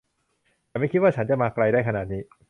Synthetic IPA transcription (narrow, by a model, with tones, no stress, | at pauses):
t̪ɛː˨˩ma˥˩jʰi˦˥t̪waː˥˩a˦˥nt͡ɕa˨˩maː˧kɾa˧jdaː˥˩jkʰa˧naː˨˩t̪̚niː˦˥